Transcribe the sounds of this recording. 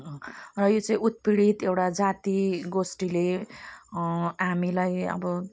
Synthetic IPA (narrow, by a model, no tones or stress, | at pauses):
rʌjot͡saĩut̪̚piɽit̪ewʈad͡zat̪iɡosʈile | ɦamilajʌ̰bʌ